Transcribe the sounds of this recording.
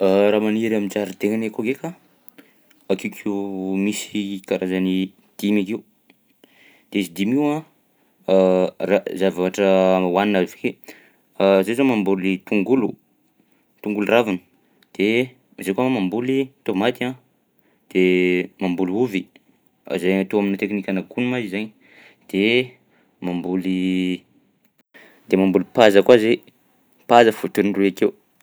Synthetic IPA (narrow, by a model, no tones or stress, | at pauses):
əɾaːmaniɾamint͡saɾit̪eŋanekoɡeka | akewkʰiumisikaɾʔazani | d̪̥imakeu | d̪̥eizid̪imiwã | razavaʈ͡ʂəwaninaivḁke | zezomambulit̪uŋɡulu | t̪uŋɡuluravanə̥ | d̪̥e | zajkwaamambulit̪omat̪ia | d̪̥emambuluvḭ | zajat̪oaminit̪eknikʲanakunumazizaɲ | d̪̥e | mambuli | d̪̥emambulipazəkwazej | pazəfut̪unnruakew